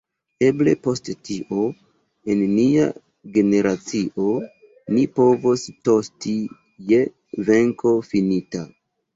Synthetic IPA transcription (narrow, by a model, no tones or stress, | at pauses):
e̞ble̞po̞sttiʔo̞ | enːia̰ | ɡe̞ne̞ɾat͡siʔo̞ | nipo̞vosto̞sti | je̞ | ve̞ŋkʰo̞finita